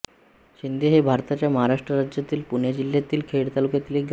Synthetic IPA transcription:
ɕind̪ʱeɦebʱaɾt̪at͡ɕjaməɦaɾaʂʈɾəɾad͡ʑjat̪iːlpuɳjad͡ʑiljat̪iːlkʰeɽt̪alukjat̪iːleɡ

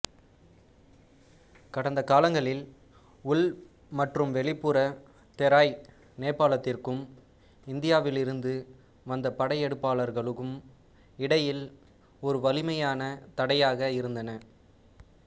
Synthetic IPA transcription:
kɐɽɐnd̪ɐkaːlɐŋɡɐɭɪl | ʊɭ | mɐʈrɯmʋɛɭɪpːɯɾɐ | t̪ɛɾaːj | neːpːaːlɐt̪ːɪrkɯm | ɪnd̪ɪjaːʋɪlɪɾɯnd̪ɯ | ʋɐnd̪ɐpɐɽɐjɛɽɯpːaːlɐɾɣɐɭɯkːɯm | ɪɽɐjɪl | ɔɾɯʋɐlɪmɐjaːnɐt̪ɐɽɐjaːɣɐɪɾɯnd̪ɐnɐ

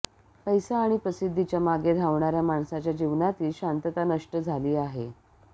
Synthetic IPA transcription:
pəjsaːɽ̃ipɾəsid̪ʱːit͡ɕjamaɡed̪ʱaʋɳaɾjamaɳsat͡ɕjad͡ʑiʋnat̪iːlɕant̪ət̪anəʂʈəd͡zʱaliːaɦe

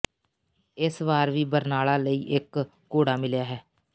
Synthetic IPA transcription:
ɪsʋaːɾʋiːbəɾnaːlaːləiːʔɪkː | oːɽaːmɪljaːɦɛː

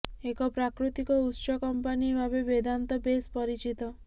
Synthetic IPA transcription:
ekɔpɾakɾut̪ikɔutʃɔkɔmpanibʱabebed̪ʱant̪ɔbespɔɾit͡ʃit̪ɔ

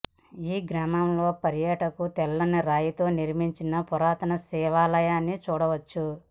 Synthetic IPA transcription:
iːɡɾaːmɐmlo̞ːpɐɾjɐːʈɐkut̪ɛlːɐnɐɾaːjit̪o̞ːniɾmiɲt͡ʃinɐpɔɾaːt̪ɐnɐsɛːʋaːlɐjaːnːit͡ʃuːɽɐʋɐt͡ʃːu

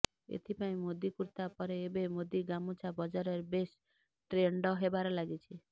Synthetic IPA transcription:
ḛt̪ʰipaĩmod̪ikuɾt̪apɔɾeːbemod̪iɡamut͡ʃʰabɔd͡ʒaɾeɾbes | ʈɾeɳɖɔɦebaɾɔlaɡit͡ʃʰi

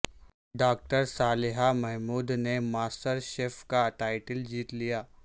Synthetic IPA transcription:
ɖaːk̚ʈəɾsaːlɪɦamɛɦmuːd̪nemaːsʈəɾʃeːfkaʈaːɪʈəld͡ʒiːt̪lijaː

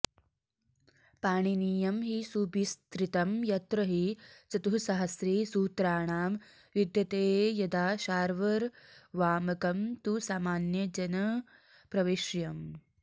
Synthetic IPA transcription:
paːɳiniːjɐmɦisuːbist̪ɾit̪ɐmjɐt̪ɾɐɦit͡sɐt̪uɦusɐɦɐsɾiːsuːt̪ɾaːɳaːm | ʋid̪jɐt̪eːjɐd̪aːʃaːɾʋɐɾʋaːmɐkɐmt̪usaːmaːnjɐd͡ʒɐnɐ | pɾɐʋiʃjɐm

